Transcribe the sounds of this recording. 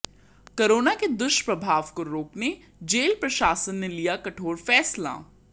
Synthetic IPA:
koɾoːnaked̪ʊʃpɾɐbʱaːʋkoɾoːkne | d͡ʒeːlpɾɐʃaːsənːelijakɐʈʰoːɾfɛːsla̰ː

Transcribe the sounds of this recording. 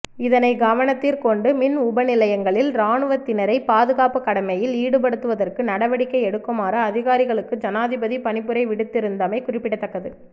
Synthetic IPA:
ɪðɐnɐɪɡɐʋɐnɐt̪ːiɾkɔɳɖɯmɪnʊbɐnɪlɐjɐŋɡɐɭɪlɾaːɳɯʋɐt̪ːɪnɐɾɐɪpaːðɯɣaːpɯkːɐɽɐmɐjɪliːɽɯp̬ɐɽɯt̪ːɯʋɐðɐrkɯnɐɽɐʋɐɽɪkːɐɪɛɽɯkːɐmaːɾɐːðɪɣaːɾɪɣɐɭɯkːɯd͡ʒɐnaːðɪbɐðipɐnɪpːɯɾɐɪʋɪɽɯt̪ːɪɾɯnd̪ɐmɐɪkʊrɪpːɪɽɐt̪ːɐkːɐðɯ

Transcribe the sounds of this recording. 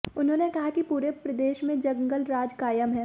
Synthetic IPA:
ʊnɦõːnekɐɦakipuːɾepɾɐd̪eːʃmẽd͡ʒɐ̃ŋɡəlɾaːd͡ʒkaːjəmɦɛː

